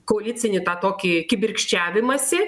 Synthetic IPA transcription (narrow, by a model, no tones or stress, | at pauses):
koːɐlʲɪt͡s̪ʲɪnʲɪt̪ɑːt̪oːkʲikʲɪbʲɪrʲkʃʲt͡ʃʲæːʋʲɪmɐsʲɪ